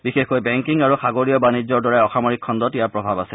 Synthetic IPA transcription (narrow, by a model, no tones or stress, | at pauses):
bixexkojbɛŋkiŋaɹuxaɡoɹijɔbanid͡ʑːɔɹdɔɹajɔxamɔɹikʰːɔndɔtejaɹpɹɔbʱabasɛ